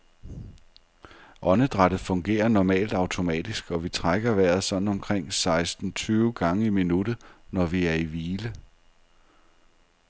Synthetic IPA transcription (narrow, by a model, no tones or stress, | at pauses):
ʔɒ̽nəd̥ʁaɾ̥ð̩ˠfɔ̽ŋɡ̥e̝̰ːɐnɒmɛ̰ːld̥ɑ̈ʊt͡sʰo̝mɛ̰ːd̥isɡ̥ɒ̽ʋit͡sʰʁaɡ̥ɐʋæɐð̩ˠsɒ̽d̥n̩ɒ̽mkʰʁeŋ̰sɑ̈ɪsd̥n̩t͡sʰyːʊɡ̥ɑ̈ŋəiminud̥ð̩nɒʋiæɐiʋiːlə